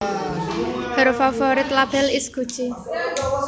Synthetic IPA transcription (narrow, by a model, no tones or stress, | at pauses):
b̥əɾofafɔɾɪt̪lab̥ɛlɪsɡ̥ṳ̥t͡ʃe